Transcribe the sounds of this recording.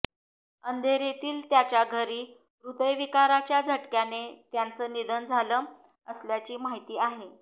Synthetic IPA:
ənd̪ʱeɾet̪iːlt̪jat͡ɕjaɡʱəɾiː | ɾud̪əjʋikaɾat͡ɕjad͡zʱəʈkjanet̪jant͡səːnid̪ənd͡zʱaləm | əsljat͡ɕiːmaɦit̪iːaɦe

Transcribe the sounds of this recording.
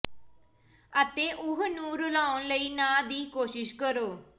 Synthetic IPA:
ət̪eːʔʊɦnũːɾʊlaːʊnləiːnãːd̪iːkoːʃɪʃkəɾoː

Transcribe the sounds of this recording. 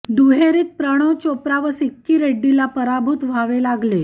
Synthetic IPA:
d̪uɦeɾiːt̪̚pɾəɽ̃ot͡ɕopɾaʋəsikːiːɾeɖːilapəɾabʱut̪ʋ̤aʋelaɡle

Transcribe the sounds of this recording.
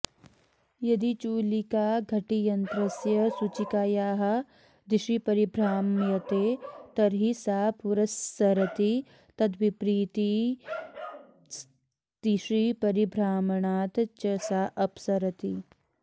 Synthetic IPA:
jɐd̪it͡ʃuːlikaːɡʱɐʈijɐnt̪ɾɐsjɐsut͡ʃikaːjaːɦɐ̆ | d̪iʃipɐɾibʱɾaːmjɐt̪eːt̪ɐɾɦisaːpuɾɐsːɐɾɐt̪i | t̪ɐd̪ʋipɾiːt̪i | d̪̥iʃipɐɾibʱɾaːmɐɳaːt̪t͡ʃɐsaːʔɐpsɐɾɐt̪i

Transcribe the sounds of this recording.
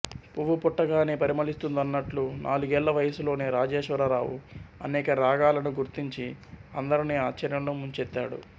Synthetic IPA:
puʋupuʈːɐɡaːneːpɐɾimɐlist̪und̪ɐnːɐʈlunʔa̰ːluɡɛːɭːɐʋɐjɐsulo̞ːneːɾaːd͡ʒeːʃʋɐɾɐɾaːwṵɐ̰nɛːkɐɾaːɡaːlɐnuɡuɾt̪iɲt͡ʃiɐnd̪ɐɾiniːaːt͡ʃːɐɾjɐmloːmuɲt͡ʃɛt̪ːa̰ːɽṵ

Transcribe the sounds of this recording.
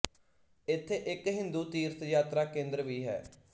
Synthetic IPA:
ɪt̪ʰːeːʔɪkɦɪ̃nd̪uːt̪iːɾt̪jaːt̪ɾaːkẽːnd̪ɾəʋiːɦɛ̰ː

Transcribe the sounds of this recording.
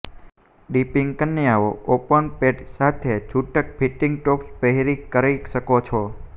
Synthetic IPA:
ɖipiŋɡkənːjaʋoopəɳpeʈsat̪ʰet͡ʃʰuʈəkpʰiʈːiŋɡ̚ʈokspəɦeɾikəɾaiʃəkot͡ʃʰo

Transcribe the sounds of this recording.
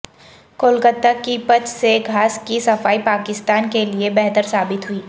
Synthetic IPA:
koːlkət̪akipət͡ʃseɡʱaːskisɐfaːipaːkɪst̪aːnkeliebɛɦt̪əɾsaːbɪt̪ɦʊiː

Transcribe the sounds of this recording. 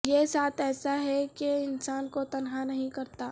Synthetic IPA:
jesaːt̪ɛːsaɦɛkeɪnsaːnkot̪ɐnɦanɐɦĩkɐɾt̪aː

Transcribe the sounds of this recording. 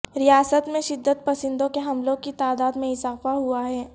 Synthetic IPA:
ɾijaːsət̪mẽʃɪd̪ːət̪̚pɐsɪ̃nd̪õkeɦɐmlõkit̪aːd̪aːd̪mẽɪzaːfaɦuaɦɛː

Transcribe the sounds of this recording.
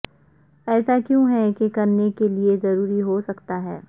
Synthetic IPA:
ɛːsakjũːɦɛkekɐɾnekeliezɐɾuːɾiɦosɐkt̪aɦɛː

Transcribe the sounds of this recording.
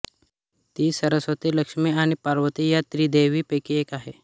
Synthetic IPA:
t̪iːsəɾəsʋət̪iləkʂmiaɽ̃ipaɾʋət̪ijat̪ɾiːd̪eʋiːpekiekaɦe

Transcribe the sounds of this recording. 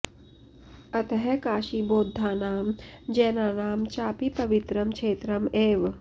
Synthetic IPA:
ɐt̪ɐɦɛkaːʃiboːd̪ʱːaːnaːmd͡ʒɛːnaːnaːmt͡ʃaːpipɐʋit̪ɾɐmkʂeːt̪ɾɐmeːʋ

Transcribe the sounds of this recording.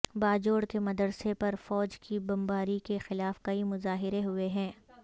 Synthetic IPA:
baːd͡ʒoːɽkemɐd̪əɾsepɐɾfɔːd͡ʒkibɐ̃mbaːɾikexɪlaːfkɐimʊzaːɦɪɾeɦʊeɦɛ̃ː

